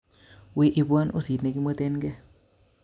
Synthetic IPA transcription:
wi˨ʔi˨bwa˦nʔṵ˦si˨tne˨ki˦mə˦t̪e˦nɡɛ˦

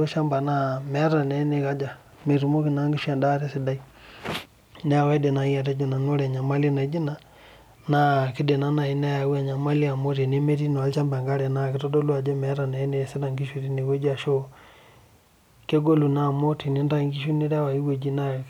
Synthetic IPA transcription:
o˦ʃa˦mba˨na˦mɛ˨˦ɾa˨nɛ˨˦ne˨ka˦d͡ʒa˨ | me˨ɾu˨mo˦kɪ˨na˦ŋɡi˦ʃwa˨nda˦ɾe˦sɪ˨da˦i˦ | nɛ˦a˨wɛ˦de˨na˨˦i˦a˨te˦d͡ʒi˨na˨n˦o˦ɾɛ˨ɲa˨ma˦li˦na˨˦d͡ʒi˦na˨ | na˦kɪ˦de˨na˦na˨i˨nɛ˦ja˨˦wa˨ɲa˨ma˦li˦a˨mo˦ti˨ne˦me˦ɾi˦n˨a˨˦lt͡ʃa˦mba˨ŋɡa˦ɾɛ˨na˦˨kɪ˨˦tɔ˦do˦lu˦a˨d͡ʒa˦mɛ˨˦ɾa˨nɛ˨˦ne˦˨sɪ˦da˨ŋɡi˦ʃu˨ɾi˦ne˨we˦d͡ʒa˨ʃo˦ | ke˦ɡo˦lu˨na˦˨mo˦ti˨ni˦nda˦˨ŋɡi˦ʃu˦ni˦ɾa˦wa˨i˦we˨d͡ʒi˦na˦˨

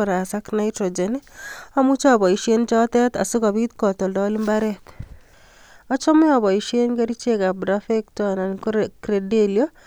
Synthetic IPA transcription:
ɔ˨ɾa˨sa˦knaitɾod͡ʒenia˦mu˦t͡ʃɔ˦bɔ˨i˨ʃjent͡ʃɔ˦tɛ˦t̪a̰˨sʊ˦ka˨βit̪kɔtɔ˨ldɔli˦mbaɾɛt̪ | ɔ˦t͡ʃɔ˦mɪ˦ɔ˨βɔ˨iʃe˦nke˦ɾi˦t͡ʃe˦ka˨bɾafektɔnankɾedelio

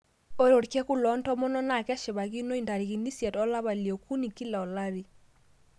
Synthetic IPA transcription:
o˦ɾo˨ɾkɛ˦ku˦lɔ˨˦ntɔ˦mɔ˦nɔ˦na˨kɛ˦ʃɪ˨βa˨ki˦no˦i˨nda˨ɾi˨ki˨ni˦sjɛ˨tɔ˦la˦βa˨ljɔ˨ku˦ni˨ki˦la˨ɔ˨la˦ɾi˨

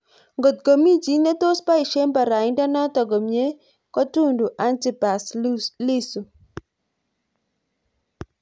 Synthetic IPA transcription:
ŋɡo˨t̪̚ɡo˨mi˦d͡ʒi˦na˦t̪o˦spa˦i˨ʃe˦mpa˨ɾa˨ɪ˦ndɔ˦nɔ˦tɔ˨ɡo˨mje˦ | kɔ˦tu˦ndu˨ʔa˦nti˨pa˨sli˦su˨

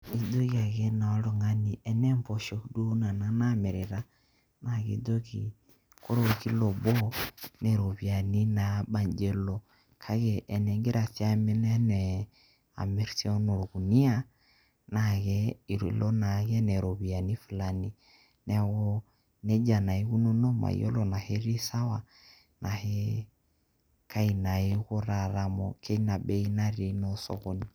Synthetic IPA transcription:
i˨do˦ɣi˦a˨ɣɛ˦na˨ɔ˦lo˨ŋa˦ni˨ɛ˨nɛ˦mpɔ˨ʃɔ˨kdu˦na˨na˨na˦˨mɛ˨ɾe˨ɾa˦ | na˨ɣḭ˨do˦ki˨ | ko˦ɾo˦˨ki˦lɔ˨bɔ˦nɛ˨ɾo˨βi˨a˨ni˦na˨ba˨ɲd͡ʒɛ˦lɔ˨ | kʰa˦ɣɛ˨ʔɛ˨nɛ˨ŋɡe˦ɾa˨θja˦me˦nɛ˦nɛ˨ | a̰˨mɛ˨˦ɾsi˦ɔ˦no˨ɾo˨ku˨ni˦a˦ | naɣɛ˦i˨ɾlɔ˦na˨ɣɛ˦nɛ˨ɾɔ˨βi˨a˨ni˦fu˨lani˦ | nɛ˨ɣɔ˦ | nɛ˦d͡ʒa˨na˨i˦ɣu˦nɔ˦nɔ˦ma̰˨ḭɔ̰˦lɔ˨na˨hɛ˦ɾi˦sa˦wa˨ | nʔa˨hɛ˦ | kʰa˦i˨na˨e˦ɣɔ˦ɾa˨ɾa˨mɔ˨kʰɛ˦i˦na˨bɛ˦i˦na˦ɾi˨˦nɔ˦sɔ̰ɣɔ˦ni

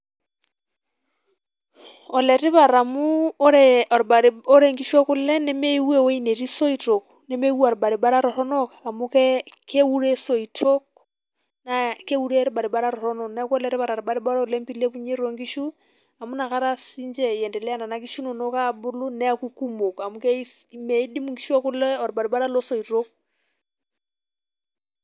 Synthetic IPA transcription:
ɔ˨lɛ˨ɾi˦βa˨ɾa˨mu˦ɾe˨ɾba˨ɾo˦ɾe˨ŋɡiʃwa˦ku˦lɛ˦ne˦me˦iwe˦we˦i˦ne˨ɾi˦so˦ito˨k | ne˦me˦wa˨ɾba˨ɾi˨ba˦ɾa˦ɾɔ˨ɾɔnɔ˦kaa˨mu˦kɛke˦u˦ɾe˦so˨itʰo˦k | na˨ke˦u˦ɾe˦ɾiba˨ɾi˨ba˦ɾa˦ɾɔ˨ɾɔ˦nɔ˨nɛkwɔ˦lɛɾe˦βa˨ɾa˨ɾi˨ba˨ɾi˦ba˦ɾa˦˨lɛ˦mpile˦ku˦ɲe˦ɾo˨ŋɡi˦ʃu˦ | a˨mu˦na˨ka˦ɾa˦si˦nd͡ʒɛ˨jɛ˨ndɛ˨lɛ˦a˦na˨na˨ki˦ʃu˦no˨nɔ˦ka˦bʊ˦lu˦nɛ˦akuku˦mo˨ka˨mu˦ke˦ | me˨˦di˦mu˨ŋɡi˦ʃu˦ɔ˦kʊ˦lɛ˦ɔ˨ɾba˨ɾi˨ba˦ɾa˦lɔ˦so˨i˨to˦k

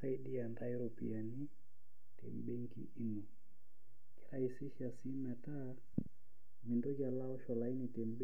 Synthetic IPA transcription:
sa˦i˦ɗi˦a˨nda˦i˦ɾɔ˨pḭ˨a˨ni˦ | tɛ̰˨mbe˦ŋki˦i˦nɔ˨ | kɛ̥˦ɾa˨i˨si˦ʃa˨si˦mɛ˨ta˦ | mi˨ndɔ˦ka˨la˦ɔ˦ʃɔ˨la˨i˦ni˨tɛ˨mb

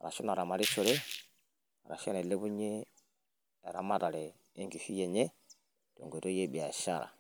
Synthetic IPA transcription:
a˨ɾa˨su˦na˨ɾa˨ma˨ɾi˦t͡ʃo˦ɾe˦ | a̰˨ɾa̰˨ʃe˦ne˨le˦bu˦ɲe˦˨ | ɾa˨ma˦ta˨lɛ˨ | e˦ŋki˨fi˦je˨ɲe˦ | d̥o̰˨ŋɡo˨to˦je˦bi˨a˨ʃa̰˦˨ɾa̰˨

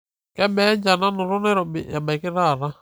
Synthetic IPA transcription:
kɛ˦bɛ˦ɲd͡ʒa˨na˦nu˨ɾu˦nɛ˦ɾɔ˨ḭ˨ja˨ba˨ki˦ɾa˦˨ɾa˦

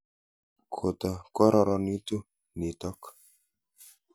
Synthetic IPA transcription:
kʰo˨t̪ɔ˨kɔ˦ɾɔ˨ɾɔ˨ni˦t̪u˦ | ni˨t̪ɔ˦k

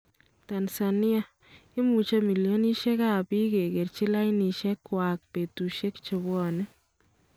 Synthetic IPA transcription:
ta˨nsa˨ni˦a˨ | ɪ˦mu˨t͡ʃa˦mi˨ljo˦ni˦ʃɛ˦ka˦pi˦ke˨ke˨rt͡ʃi˦la˦jni˨ʃɛ˦kːwa˨k̚pe˨tu˨ʃe˦kt͡ʃe˨bɔ˦ne˦

